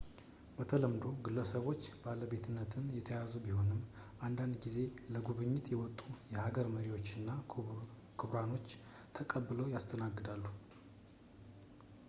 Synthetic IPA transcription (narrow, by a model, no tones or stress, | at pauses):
bət̪ʰələmd̪o̞ɡɨlːəsəβo̞t͡ʃːbaləbe̞t̪ʰɨnːət̪ʰɨnjɛt̪ʰəjazubiho̞nɨmːʔand̪and̪ɡize̞ləɡuβɨɲːɪt̪jɛwɔt̪ʼːujɛhaɡəɾməɾiwo̞t͡ʃːɨnːa | kʰɨβɾano̞t͡ʃː | t̪ʰəkʼəbːɨləwjast̪ʰənaɡːɨd̪alːu